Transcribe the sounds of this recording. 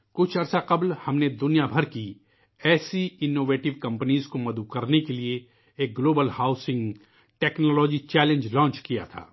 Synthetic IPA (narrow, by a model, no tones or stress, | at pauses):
kʊt͡ʃʰɐɾsaqɐblhɐmned̪ʊnijabʱɐɾki | ɛːsiɪnːoːʋeːʈɪʋkɐ̃mpəniːzkomɐd̪ubkɐɾnekelie | eːk̚ɡloːbəlhaːʊsɪ̃ŋɡ | ʈɛːknɔːlɔːd͡ʒit͡ʃɛːlẽnd͡ʒlɔ̃ːnt͡ʃkija̰t̪ʰa̰ː